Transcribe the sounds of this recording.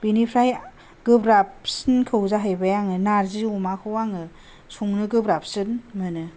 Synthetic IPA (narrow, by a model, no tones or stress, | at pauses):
b̥inipʰɾaj | ɡɯbɾapsinkʰɯwzaɦajbajaŋɯnaɾziumakʰɯwaŋɯ | suŋnɯɡɯbɾap̚sɯnmɯnɯ